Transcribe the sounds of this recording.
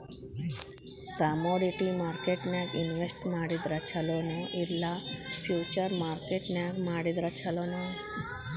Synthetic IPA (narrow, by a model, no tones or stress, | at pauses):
kamɔɖiʈimaɾkeʈnjaɡinʋesʈmaɽid̪ɾat͡ɕʰalonoʔiɾlafʰjut͡ɕəɾmaɾkeʈnjaɡmaɽid̪ɾat͡ɕʰalona